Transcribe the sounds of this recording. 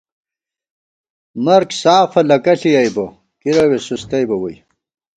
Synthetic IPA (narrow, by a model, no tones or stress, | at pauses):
mɐɾksaːfɐlɐkɐɬijɐjbɐ | kiɾɐwesust̪ɐjbɐwɐj